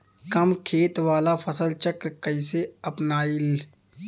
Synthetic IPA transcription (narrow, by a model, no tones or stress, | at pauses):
kɐmkʰeːt̪ʋaːlapʰəsəlt͡ʃəkɾkəɪseɐpnaːil